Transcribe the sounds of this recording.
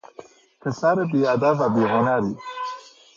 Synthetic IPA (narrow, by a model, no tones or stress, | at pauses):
kəsaɾebead̪avabeɦʊnaɾi